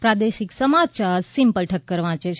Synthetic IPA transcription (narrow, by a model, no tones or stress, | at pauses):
pɾad̪eʃiksəmat͡ʃaɾsimpəlʈʰəkːəɾʋãt͡ʃʰe